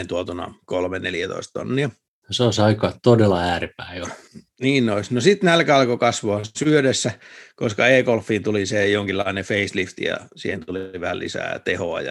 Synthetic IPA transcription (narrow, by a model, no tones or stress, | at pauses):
nt̪uot̪unɑ̰kolmeneljæt̪o̰ist̪to̰nːiɑ | oseoˑisɑikɑːt̪odelːɑæːrepæio | niːnnoisnosit̪nælkæɑlkokɑsʋoɑsyødesːækoskɑeːkolfːiːnt̪ulisejoŋkilːɑinefeislift̪ijɑ̰sḭːhent̪uliʋæhæ̰lḭsæ̰ːt̪eho̰ɑ̰jɑ̰